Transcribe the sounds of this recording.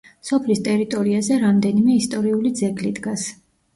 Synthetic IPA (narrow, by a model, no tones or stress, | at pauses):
sɔpʰlist̪ʼɛɾit̪ʼɔɾiazɛɾamd̪ɛnimɛist̪ʼɔɾiulid̪zɛɡlid̪ɡas